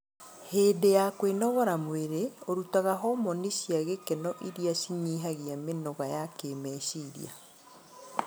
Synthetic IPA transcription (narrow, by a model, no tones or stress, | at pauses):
heːdejakwenɔɣɔɾamweɾeoɾutaɣaɦɔmɔneʃiaɣekenɔʔiɾiaʃiɲiːɦaɣiamenɔɣajakeːmɛːʃiɾḭa̰